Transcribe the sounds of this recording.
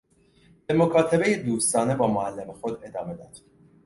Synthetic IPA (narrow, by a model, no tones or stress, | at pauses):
b̥e̞mokʰɒːt̪ʰebe̞jed̪uːst̪ɒːne̞bɒːmoælːe̞mexo̞d̪e̞d̪ɒːme̞d̪ɒːd̪̥